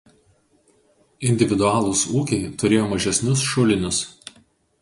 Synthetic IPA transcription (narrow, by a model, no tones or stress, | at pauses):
ɪnʲd̪ʲɪʋʲɪd̪ʊɑːlˠʊsuːkʲɛɪt̪ʊɾʲeːjoːmɐʒʲɛsʲnʲʊsʃʊlʲɪnʲʊs